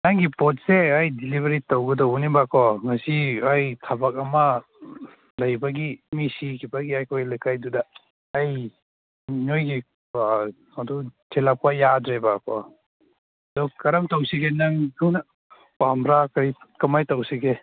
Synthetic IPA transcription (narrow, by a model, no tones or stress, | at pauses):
naŋɡipɔt̚seajdilibeɾitawɡɐdɐwnibakʰɔŋɐsiajtʰabɐk̚ɐmɐ | lɐjbɐɡimisikʰibɐɡiajkʰojlajkʰajdudɐː | j | nojɡi | ɐdud͡ʒelak̚pːɐjadɾebakʰɔ̰ | ɐdukɐɾɐmtɐwsiɡenaŋtʰunɐ | pamɾakaɾikɐmajtɐwsiɡe